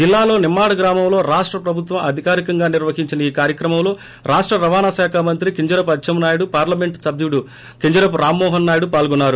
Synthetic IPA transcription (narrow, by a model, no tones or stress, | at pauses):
d͡ʒilːaːlo̞ːnimːaːɽɐɡɾaːmɐmlo̞ːɾaːʂʈɾɐpɾɐbʱut̪ʋɐmɐd̪ʱikaːɾikɐŋɡaːniɾʋɐɦiɲt͡ʃinɐiːkaːɾjɐkɾɐmɐmlo̞ː | ɾaːʂʈɾɐɾɐʋaːnaʃɛːkʰaːmɐnt̪ɾikiɲd͡ʒɐɾɐp̬ɐt͡ʃːʃɐmnaːjuɽupaːɾlɐme̞ɳʈsɐb̪uɽu | kiɲd͡ʒɐɾɐp̬uɾaːmːɔːɦɐnːaːjuɽupaːlɡɔnːaːɾu